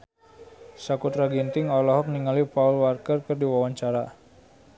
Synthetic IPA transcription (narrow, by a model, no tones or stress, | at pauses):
sakut̪ɾaɡint̪ɪŋɔlɔɦɔk̚niŋalipaulwarkərkərdiwawaɲt͡ʃaɾa